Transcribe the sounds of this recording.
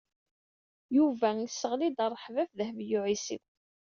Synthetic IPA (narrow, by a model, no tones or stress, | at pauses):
juvæjsːəʁlid̪ərˤːħvæfðəhvjʊʕisḭð